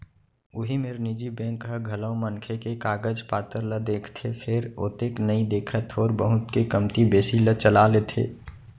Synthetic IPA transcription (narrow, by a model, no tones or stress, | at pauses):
ʊɦimeɾnid͡ʒibɛ̃ŋkɦəɡʱələmənkʰekekaːɡəd͡ʒpaːt̪əɾləd̪eːkʰt̪ʰepʰeɾo̰ːt̪eːknəĩd̪eːkʰət̪ɔːɾbəɦʊt̪kekəmt̪ibeːsilət͡ʃəlalet̪ʰḛː